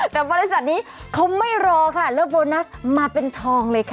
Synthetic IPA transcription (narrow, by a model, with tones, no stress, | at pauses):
t̪ɛː˨˩bɔː˧ɾe˦˥sa˨˩t̪̚niː˦˥kʰa˦˥wma˥˩jɾɔː˧kʰa˥˩lɛː˦˥boː˧na˦˥smaː˧pe˧nt̪ʰɔː˧ŋlɤː˧jkʰa˥˩